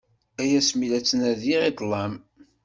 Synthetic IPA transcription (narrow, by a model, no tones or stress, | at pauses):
æjæsmilæt͡sːənæðiʁid̪ˤlˤːɑm